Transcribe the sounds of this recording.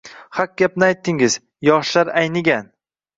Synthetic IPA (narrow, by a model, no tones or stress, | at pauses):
hak̚ɡʲapnɪajt̪ʰːɪŋɪz̥ | jɒʃlaɾajnɪɡʲan